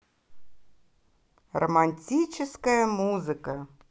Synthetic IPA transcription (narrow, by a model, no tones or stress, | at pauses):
rɐmanʲt͡sʲit͡ʃɛskɐjɐmuzɨkɐ